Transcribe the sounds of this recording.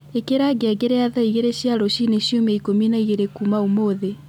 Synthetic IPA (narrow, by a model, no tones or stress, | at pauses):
ekeɾaɡeɛɡeɾeaðaiɣeɾeɕjaɾoɕineɕjomeikominaiɣeɾekumaumoðe